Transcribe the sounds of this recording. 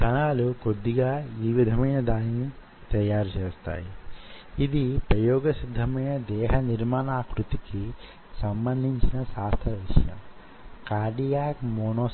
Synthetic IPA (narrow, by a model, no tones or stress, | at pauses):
ɡɐnaːluko̞d̪ːiɡaːiːʋid̪ʱɐmɐjnɐd̪aːnni | t̪ɐjaːɾut͡ʃeːst̪a̰ːji | id̪ipɾɐjɔːɡɐsid̪ʱːɐmɐjnɐd̪ɛːɦɐniɾmaːnaːkɾut̪iki | sɐmbɐnd̪ʱiɲt͡ʃinɐʃaːst̪ʰɾɐʋiʂɐjɐ̰m | kaːɖijaːkmɔːnoː